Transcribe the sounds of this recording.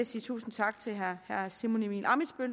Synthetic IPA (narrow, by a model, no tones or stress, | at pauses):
siːt͡sʰṵːsn̩t͡sʰɑ̈ɡ̥̚t͡sʰe̝lɦæhæɐsimo̝nimḭːnʔɑ̈midˠsb̥øl